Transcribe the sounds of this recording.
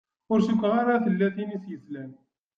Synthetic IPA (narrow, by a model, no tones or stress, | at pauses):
ʊɾsəkʷːʁaɾˤɑθəlːæθinisjəslæn